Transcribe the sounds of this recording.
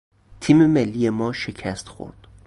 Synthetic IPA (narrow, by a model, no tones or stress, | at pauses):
t̪ʰiːmemelːije̞mɒːʃecʰæst̪xo̰ɾd̪̥